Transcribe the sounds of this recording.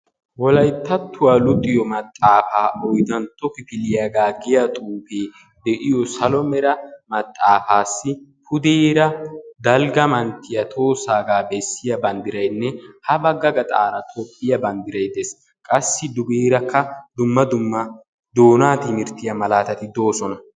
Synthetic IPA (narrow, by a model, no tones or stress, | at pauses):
wɔlɐjt̪ːɐt̪ʰːʊwalʊt̪ʼːɪjɔmɐt̪ʼːaːfaːʔɔjd̪ɐnt̪ːɔkɪfɪlɪjaːɡaːɡɪjat̪ʼuːfeː | d̪ɛʔɪjɔsɐlɔmɛɾɐmɐt̪ʼːaːfaːsːɪpʊd̪iːɾɐd̪ɐlɡɐmɐnt̪ːɪjɐt̪ʰo̞ːsaːɡaːbɛsːɪjɐbɐnd̪ɪɾɐjnːɛhɐbɐɡːɐɡɐt̪ʼa̰ːɾɐt̪ʰopʼːɪjɐbɐnd̪ɪɾɐjd̪ɛs | kʼɐsːɪd̪ʊbiːɾɐkʰːɐd̪ʊmːɐd̪ʊmːɐ | d̪o̞ːnaːt̪ɪmɪɾt̪ɪjɐmɐlaːt̪ɐt̪ɪd̪o̞ːsɔnɐ